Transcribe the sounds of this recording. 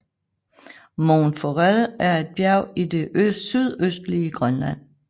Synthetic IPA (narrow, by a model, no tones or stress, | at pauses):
moːnfoʁælʔæɐe̝d̥̚b̥jæɐʊ̰id̥e̝ʔøsyð̞ˠøsd̥liəɡ̥ʁɶnlæn̰